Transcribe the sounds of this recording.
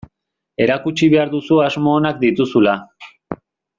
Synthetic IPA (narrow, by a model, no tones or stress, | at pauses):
e̞ɾakut͡ʃiβ̞e̞aɾðusuazmo̞ːnakd̪it̪usula